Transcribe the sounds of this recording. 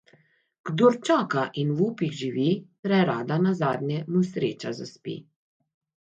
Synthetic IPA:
ɡ̥d̪oɾt͡ʃaːkaʔinwuːpiɣʒiʋipɾɛɾaːd̪anazaːd̪nʲjɛnusɾeːt͡ʃazaspḭ

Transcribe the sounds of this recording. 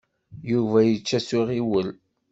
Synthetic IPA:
juvæjət͡ʃːæsiʁiwəl

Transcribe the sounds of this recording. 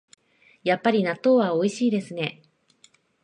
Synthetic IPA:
japːaɾʲinat̪ːo̞ːβao̞iɕiːd̪e̞sɨne̞

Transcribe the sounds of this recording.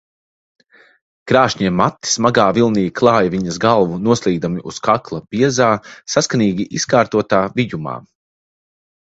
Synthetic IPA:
kɾaːʃɲiɛmːat̪ːi̥smaɡaːvilˠniːklˠɑːjviɲɐzɡalˠvunuɔslˠiːɡd̪amiʔuskaklˠɐb̥iɛzaːsaskaniːɡʲiʔiskaːɾt̪uɔt̪aːvijuma̰ː

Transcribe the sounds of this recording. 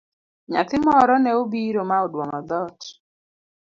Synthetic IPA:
ɲa̰t̪ɪmɔɾɔnɛobiɾomaɔdwɔŋɔd̪ɔt

